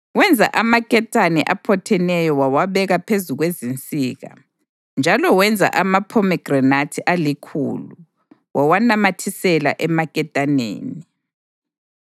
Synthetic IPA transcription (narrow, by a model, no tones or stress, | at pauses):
wɛnd͡zʱa̰ʔamakʼɛtʼanɛʔapʰɔtʰɛnɛjɔwawaβɛɣapʰezuɣwezint͡sʼiːɣa̰ | nd͡ʒʱalɔwɛnd͡zʱa̰ʔamapʰɔmɛɡ̥ranatʰiʔalikʰṵːlu | wawanamatʰisɛla̰ʔɛmakʼɛtʼanḛːni